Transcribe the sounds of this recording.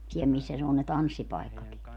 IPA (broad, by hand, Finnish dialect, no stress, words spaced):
siɛl misːæ ne on ne tɑnsːipɑi̯kːɑki